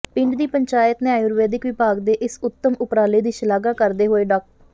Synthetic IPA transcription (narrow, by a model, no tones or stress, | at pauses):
pɪ̃ɳɖd̪iːpəɲt͡ʃaːjət̪nɪjaːjʊɾʋeːd̪ɪkʋɪpaːɡd̪eːʔɪsʊt̪ːəmʊpɾaːleːd̪iːʃəlaːɡaːkəɾd̪eːɦoːeːɖɔːk̚